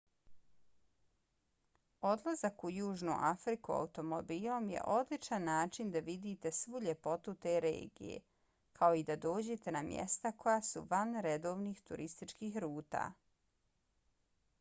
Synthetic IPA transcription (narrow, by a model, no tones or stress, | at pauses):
o̞d̪lˠazakujuːʒnṵʔafɾikua̰ut̪o̞mobiːlˠo̞mje̞̰ʔo̞d̪lit͡ʃanːaːt͡ʃind̪aʋid̪iːt̪e̞sʋuʎe̞po̞t̪ut̪e̞ːɾḛːɡḭje̞̰ | kʰao̞id̪ad̪o̞ːd͡ʑe̞t̪e̞namjḛst̪akʰo̞jaːsuʋanɾe̞d̪o̞ːʋniːxt̪ṵɾʔist̪it͡ʃkiːxɾuːt̪a̰ː